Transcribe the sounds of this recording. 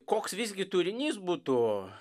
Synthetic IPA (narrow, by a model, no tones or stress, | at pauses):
koːksʋʲizʲɡʲɪt̪uɾʲɪnʲiːsbut̪ʊ